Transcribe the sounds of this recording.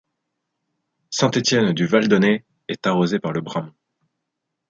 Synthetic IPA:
sɛ̃t̪et̪jɛnd̪yvald̪ɔne | ɛt̪aʁozepaʁləbʁamɔ̃

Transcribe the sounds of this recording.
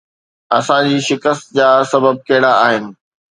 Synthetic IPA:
ɐsãd͡ʑiːʃɪkəst̪̚d͡ʑaːsɐbəb̚kɐɦɪɽaaːɦɪnɪ̆

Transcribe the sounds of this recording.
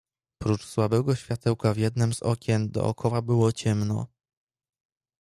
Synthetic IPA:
pɾut͡ʂswabɛɡɔɕfʲjat̪ɛwkavʲjɛd̪nɘmz̥ɔkʲɛnd̪ɔ̰ʔɔ̰kʰɔwabɘwɔt͡ɕɛmnɔ̰

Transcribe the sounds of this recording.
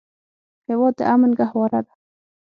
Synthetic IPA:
hewɑd̪̚ːə̰ʔamanɡahwɑɾad̪a

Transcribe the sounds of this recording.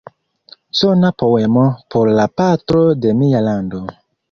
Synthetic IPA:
sonapo̞wemopʰoɾlapatɾo̞de̞mialando̞

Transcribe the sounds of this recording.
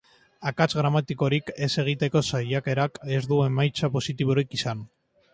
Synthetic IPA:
akat͡sɣɾamat̪iko̞ɾike̞se̞ɣ̞it̪e̞ko̞sajake̞ɾake̞zd̪ue̞majt͡sapo̞sit̪iβ̞o̞ɾikisan

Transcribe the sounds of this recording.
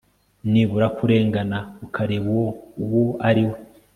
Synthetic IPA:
niβuɾakuɾe̞ːŋɡanaukʰaɾeβowoaɾiwe

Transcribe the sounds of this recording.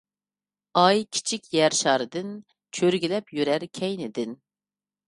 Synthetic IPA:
ɑjkʲʰi̥t͡ʃʰikʲjæɾʃɑːɾɨd̪ɨn | t͡ʃʰøɾɡʲilɛpjyɾæɾkʲʰɛjnɪd̪ɪn

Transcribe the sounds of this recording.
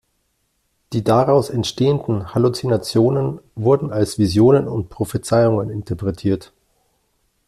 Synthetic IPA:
d̥iːdaʁaʊsɛntʃteːəndn̩halut͡sinat͡sjoːnənvʊɐdn̩alsv̥izjoːnənʊnt̚pʁ̥ofet͡saɪʊŋənɪntəɐpʁ̥ɛtʰiːɐt

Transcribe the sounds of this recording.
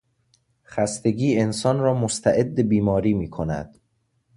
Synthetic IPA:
χæst̪e̞ɡiːe̞nsɒːnɾɒːmost̪ʰæʔe̞d̪ːebiːmɒːɾiːmiːkʰonæ̰d̪̥

